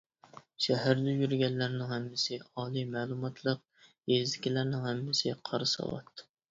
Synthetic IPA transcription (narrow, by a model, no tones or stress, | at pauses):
ʃæɦæɾd̪ɛjyɾɡʲɛllæɾnɪŋhɛmːɪsɪɑːlˠimælˠumɑt̪ʰlˠəq̚ | jezɪkʲilæɾnɪŋhæmːɪsɪqʰɑɾɨsɑ̰wˠɑ̰t̪ː